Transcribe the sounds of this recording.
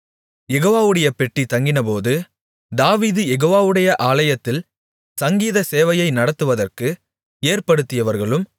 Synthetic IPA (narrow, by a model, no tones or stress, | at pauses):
jɛɣoːʋaːʋɯɽɐjɐpɛʈːit̪ɐŋɡɪnɐpoːðɯ | d̪aːʋiːðɯjɛɣoːʋaːʋɯɽɐjɐʔaːlɐjɐt̪ːɪl | sɐŋɡiːðɐseːʋɐjɐɪnɐɽɐt̪ːɯʋɐðɐrkɯ | eːrpɐɽɯt̪ːɪjɐʋɐɾɣɐɭɯm